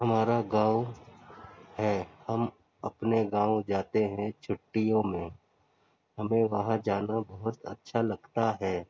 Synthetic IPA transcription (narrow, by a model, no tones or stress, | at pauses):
ɦɐmaːɾaɡãːw | hɛːhɐm | ɐpneɡãːõd͡ʒaːt̪eɦɛ̃t͡ʃʰʊʈːijõmẽ | ɦɐmẽʋɐɦãd͡ʒaːnabɐɦʊt̪ɐ̰tːʃʰalɐɡt̪aɦɛː